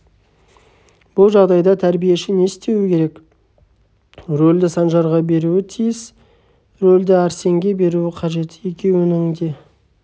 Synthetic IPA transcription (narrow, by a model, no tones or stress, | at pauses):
b̥ʊlˠʒɑʁd̪ɑjd̪ɑt̪ʰæɾbije̞ʃɪne̞st̪e̞wɪkʲʰe̞ɾe̞k | ɾo̞ld̪ɪsɑnʒɑɾʁɑbe̞ɾuɪt̪ʰijɪs | ɾold̪ɪæɾse̞ŋɡʲe̞be̞ɾuɪqʰɑʒe̞t̪ɪ̥je̞kʲʰe̞wɪnɪŋd̪e̞